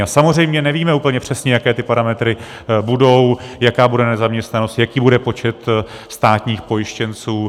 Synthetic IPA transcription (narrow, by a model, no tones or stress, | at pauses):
asamozr̝ɛjmɲɛnɛviːmɛuːpl̩ɲɛpr̝̥ɛsɲɛjakɛːt̪ɪpaɾamɛt̪ɾɪ | budo̞wjakaːbudɛnɛzamɲɛst̪nano̞st̪jakiːbudɛpo̞t͡ʃɛt̪st̪aːt̪ɲiːxpo̞jɪʃcɛnt͡suː